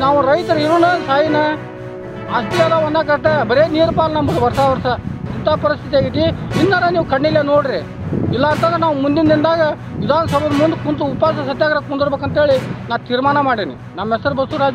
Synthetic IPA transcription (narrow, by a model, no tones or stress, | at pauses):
naːʋuɾɐjt̪ɐɾiɾunɐsaːjinɐ | aːst̪ijalaʋɐnd̪aːk̬ɐɾʈ̪ːebɐɾeniːɾpaːlnɐmbɐd̪ʋɐɾsaʋɐɾsɐint̪aːpɐɾist̪ʰit̪ijaːɡit̪ːiinːɐɾɐniːʋukɐɳːileːnoːɽiɾi | ilːaːnt̪ɐnd̪ɾɐnaːʋumund̪ind̪ind̪aːɡɐ | ʋid̪ʱaːnɐsɐbɐd̪ɐmund̪ukunt̪̬uupaːsɐsɐd̪jaːɡɾɐk̚mund̪iɾbeːkɐnt̪ɦeːɭinaːt̪iːɾmaːɳɐmaːɽinḭ | nɐmːɛsɐɾbɐst̪uɾaːd͡ʒ